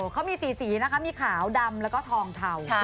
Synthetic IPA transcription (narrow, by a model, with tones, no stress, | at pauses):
kʰa˦˥wmiː˧siː˨˩˦siː˩˦na˦˥kʰa˦˥miː˧kʰaː˩˦wda˧mlɛː˦˥wkɔ˥˩t̪ʰɔː˧ŋt̪ʰa˧w